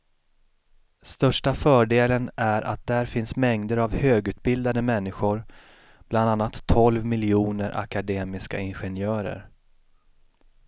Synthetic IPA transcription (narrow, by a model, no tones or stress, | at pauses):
st̪œʂʈafœːɖeːlənæɾʔa̰t̪̚d̪æɾfɪnsmɛŋd̪əɾavhøːɡʉ̟ːt̪̚bɪld̪ad̪əmɛnːɪɧʊɾ | b̥land̪anːat̪ʰːɔlvmɪlɪuːnəɾʔa̰kad̪eːmɪska̰ɪnɧɛnjœːɾə̰ɾ